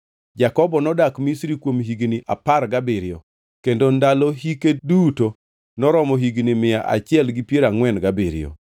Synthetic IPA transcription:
d͡ʒakɔbɔnɔdakmisɾikwomɦiɡniʔa̰paɾɡabɪɾɪɔ̰ | kendondalɔɦikeduto | nɔɾɔmɔɦiɡnimɪjaʔa̰t͡ʃɪɛlɡipjeɾaŋwɛnɡabɪɾɪ̰ɔ̰

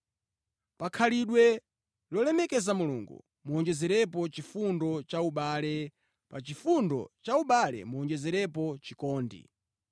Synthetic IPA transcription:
pakʰaliɗwɛ | lɔlɛmɛkɛzamulṵŋɡṵ | muɔnd͡ʒɛzɛɾɛp̬ɔt͡ʃifundɔt͡ʃauɓaːlɛ | pat͡ʃifundɔ̰t͡ʃauɓalɛ̰muɔnd͡ʒɛzɛɾɛpɔt͡ʃikɔːndḭ

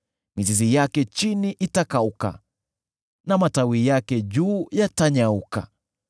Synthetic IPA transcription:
mizizijakɛt͡ʃiniʔitakauka̰ | namatawijakɛʄuːjataɲauka̰

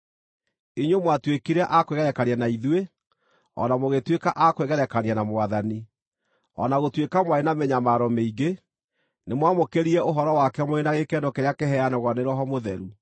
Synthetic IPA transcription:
iɲomwatwekiɾɛʔakweɣɛɾɛkaɾianaiðwe | ɔ̰namoɣetwekaʔakweɣɛɾɛkanianamoaðani | ɔ̰naɣotwekamwaɾenamɛɲamaɾɔmeiɡe | nemwamokeɾiɛʔoɦɔɾɔwakɛmoenaɣekɛndɔkɛɾeakɛɦɛanɛɣwaneɾɔɦɔmoðɛɾu

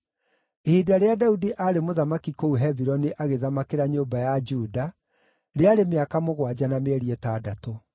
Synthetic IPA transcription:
ehidaɾeadaudiʔaɾemoðamakikouɦɛβiɾɔniʔaɣeðamakeɾaɲoːbajad͡ʒuːda | ɾeaɾemeakamoɣwad͡ʑanameɛɾiɛtadato

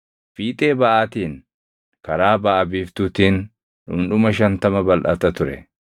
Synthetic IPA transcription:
fiːt̪ʼeːbɐʔaːt̪iːn | kɐɾaːbɐʔɐbiːft̪ʊt̪iːn | ᶑʊ̰mᶑʊmɐʃ̬ɐnt̪ɐmɐbɐlʔɐt̪ɐt̪ʊɾɛ̰

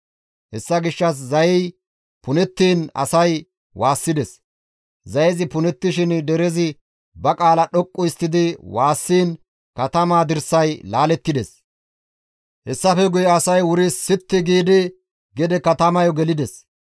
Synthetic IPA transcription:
hɛsːɐɡɪʃːɐs̬zɐjɛj | pʊnɛt̪ːiːnɐ̰sɐj | wʔaːsːɪd̪ɛs | zɐjɛzɪpʊnɛt̪ːɪʃɪnd̪ɛɾɛzɪ | bɐkʼaːlɐɗɔkʼːɔɪst̪ːɪd̪ɪwaːsːiːn | kɐt̪ɐmaːd̪ɪɾsɐjlaːlɛt̪ːɪd̪ɛs | hɛsːɐfɛɡʊjɛɐsɐjwʊɾɪsːɪt̪ːɪɡiːd̪ɪ | ɡɛd̪ɛkɐt̪ɐmɐjɔɡɛlɪd̪ɛs

